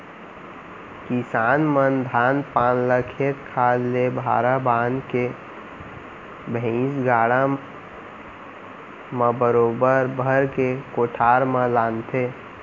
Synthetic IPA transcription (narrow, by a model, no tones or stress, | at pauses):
kisaːnmənd̪ʱaːnpaːnləkʰet̪kʰaːllebʱa̰ːɾabaːnke | bʱɛ̃sɡaːɽa | mə̃bəɾoːbəɾbʱəɾkekoːʈʰaːɾmə̃laːnt̪ʰe